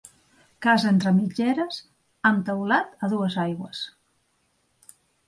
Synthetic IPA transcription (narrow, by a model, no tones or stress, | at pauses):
kazent̪ɾəmid͡ʒeɾəs | amt̪əwlat̪əðuəzajɣwəs